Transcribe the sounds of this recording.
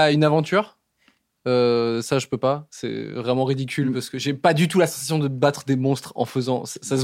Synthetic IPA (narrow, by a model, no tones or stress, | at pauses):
aynavɑ̃t̪yːʁ | øsaʒəpøpasɛ̰vʁɛmɑ̃ʁid̪ikʲylpaʁsə̥kəʒepad̪yt̪ulasɑ̃sas̬jɔ̃d̪əbat̪χəd̪emɔ̃st̪χɑ̰̃fəzɑ̃sasas